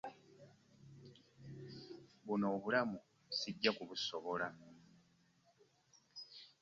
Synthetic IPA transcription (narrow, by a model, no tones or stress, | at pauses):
βuno̞ːβulamu | siɟːakuβuso̞βola